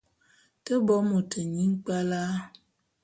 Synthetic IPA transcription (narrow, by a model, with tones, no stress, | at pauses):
tə˦bɔ˦mo˨tʰə˨ɲi˦ŋ˦k͡pa˦la˦